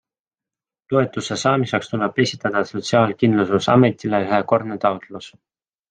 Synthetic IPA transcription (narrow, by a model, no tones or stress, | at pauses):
t̪o̞e̞t̪ːˑusesɑːmisekst̪uleb̥e̞sʲit̪ːˑɑd̪̥ɑso̞t̪siɑːlkind̪lususɑ̰me̞t̪ileyhe̞ko̞rd̪net̪ɑwt̪lus